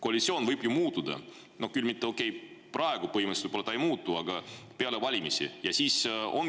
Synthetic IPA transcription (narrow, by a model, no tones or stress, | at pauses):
ko̞ɑlʲit̪sʲio̞ːnvɤjbjumuːt̪ːud̪̥ɑ̰ | no̞hkylmit̪ːeo̞kːˑe̞jprʔɑeɡ̥upɤɦimst̪vəjbolːɑt̪ɑejmuːt̪ːˑuɑɡ̥ɑpe̞ɑle̞vɑlʲimisḭjɑsiːso̞̰n